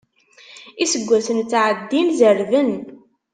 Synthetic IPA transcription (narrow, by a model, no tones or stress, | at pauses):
isəɡʷːæsənt͡sːʕəd̪ːinzəɾvən